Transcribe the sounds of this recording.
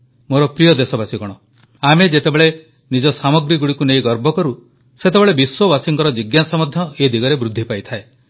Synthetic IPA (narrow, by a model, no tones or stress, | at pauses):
moɾɔpɾijɔd̪esɔbasiɡɔɽ̃ɔ | amed͡ʒet̪ebeɭe | nid͡ʒɔsamɔɡɾiɡuɽikunejɡɔɾbʱɔkɔɾu | set̪ebeɭebiswɔbasiŋkɔɾɔd͡ʒiɡjasamɔd̪ʱjɔed̪ʱiɡɔɾebɾud̪ʱːipajt̪ʰae